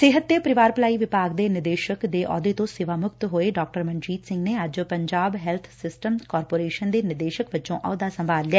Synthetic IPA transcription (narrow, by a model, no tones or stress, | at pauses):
sɪːɦət̪̚d̪eːpəɾɪʋaːɾpəlaːiːʋɪpaːɡd̪eːnɪd̪eːʃəkd̪eːʔɔ̰ːd̪eːt̪õsɪʋaːmʊkt̪ɦoːeːɖɔːk̚ʈəɾmə̃ɲd͡ʒiːt̪sɪ̃ŋɡneːəd͡ʒpəɲd͡ʒaːbɦɛːlt̪ʰsɪsʈəmkɔːɾpoːɾeːʃənd̪eːnɪd̪eːʃəkʋɪt͡ʃõːʔɔ̰ːd̪aːsəmbʱaːllɪɛː